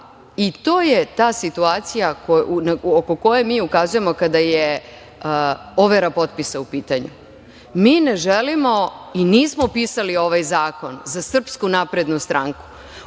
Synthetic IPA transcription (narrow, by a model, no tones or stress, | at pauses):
it̪o̞ːje̞t̪aːsit̪uaːt̪sijakonaoko̞ko̞jemiːukazuje̞mo̞kad̪aje | o̞ʋe̞ɾapo̞t̪̚pisaupiːt̪aɲṵ | miːne̞ʒelimo̞iniːsmopisalio̞ʋajzaːko̞nzasr̩pskunapɾed̪nust̪ɾaŋku̥